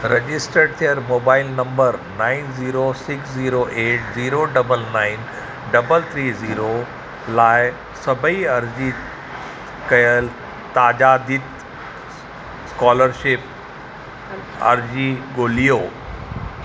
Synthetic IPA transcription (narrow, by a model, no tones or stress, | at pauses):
ɾed͡ʑɪsʈəɖ̚t̪ʰijəɾmoːbaːɪlnɐ̃mbəɾnãːɪnziːɾosɪksziːɾoʔeːʈziːɾoɖɐbəlnaːɪn | ɖɐbəlt̪ʰɾiːziːɾo | laːɪ | sɐbʱəiɐɾd͡ʑi | kɐjəl | t̪aːʄad̪ɪt̪ | skɔːləɾʃɪp̚ | ɐ̰ɾd͡ʑiɠoːlijoː